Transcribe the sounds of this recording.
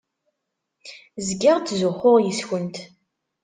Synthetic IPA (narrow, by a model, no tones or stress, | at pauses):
zɡaʁt͡sːzʊχːʊʁjəsçənt̪